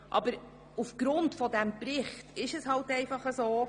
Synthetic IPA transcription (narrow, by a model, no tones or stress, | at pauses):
ʔɑ̰bəɾ | ufɡ̥ɾʊntfɔdæmprɪχtɪʃɛshɑltɛɪfɑχəsoː